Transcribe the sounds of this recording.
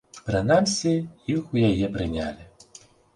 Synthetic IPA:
pɾɨnamsʲɛjixujajɛpɾɨnʲa̰lʲi

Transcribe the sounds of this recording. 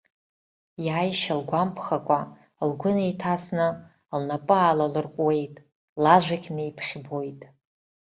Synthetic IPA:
jaːjʃalɡʷampʰχakʷʼa | lɡʷʊnejtʰasnɨ | lnapʼɨaːlalɨrqʷʼwe̞jtʼ | laʒʷakʲʼnejpʰχʲbo̞jtʼ

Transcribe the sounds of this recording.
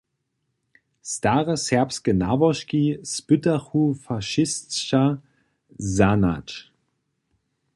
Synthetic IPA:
staːʁəsɛɐpskənavɔʃkispʏtaχufaʃɪstʃa | zana̰t

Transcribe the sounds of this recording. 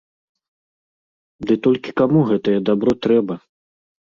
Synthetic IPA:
d̪ɨt̪ɔlʲkʲi̥kamuɣɛt̪ɐjɛd̪abɾɔt̪ɾɛbɐ

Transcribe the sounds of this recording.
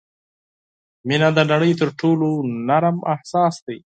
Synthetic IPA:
minad̪ənaɽəjt̪əɾʈʰolonaɾmahsɑːsd̪aj

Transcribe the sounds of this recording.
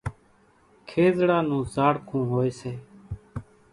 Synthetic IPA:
kʰeːzɽaːnũːzaːɽkʰũːɦoːeːseː

